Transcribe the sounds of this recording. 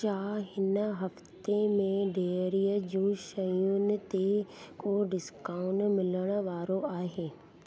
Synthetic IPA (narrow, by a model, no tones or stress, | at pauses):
t͡ʃaːɦɪnəɦɐft̪emẽɖʱeːɾijəd͡ʑũːʃɐjʊnɪ̆t̪ekoɖɪskaːʊɳmɪləɽ̃̆ʋaːɾoaːɦeː